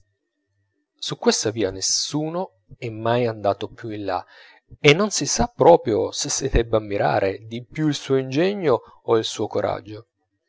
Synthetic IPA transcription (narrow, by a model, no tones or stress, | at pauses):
sukːwest̪aviːanesuːno | ɛmːajand̪aːt̪opjuilːa̰ | enːonsisapːɾɔːpɾjosesːid̪ɛbːamːiɾʔa̰ːɾʔed̪ipjuilsuːoind͡ʒɛɲːoːilsuːokoɾʔa̰d͡ʒːo